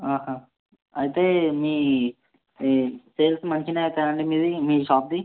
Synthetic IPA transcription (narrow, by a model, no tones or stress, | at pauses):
aːɦa | ɐjit̪eːmiː | seːlsmɐnt͡ʃinet̪aɐɳɖimiːd̪imiːʃaːp̚d̪i